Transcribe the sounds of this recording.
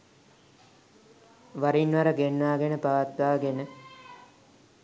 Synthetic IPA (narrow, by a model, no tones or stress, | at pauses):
ʋaɾinʋaɾəɡenʋaːɡenəpaʋat̪ʋaːɡenə